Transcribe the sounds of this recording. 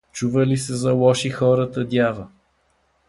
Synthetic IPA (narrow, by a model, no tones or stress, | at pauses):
t͡ʃuvəlisɛzɐlˠɔʃixɔɾət̪əd̪ʲjavə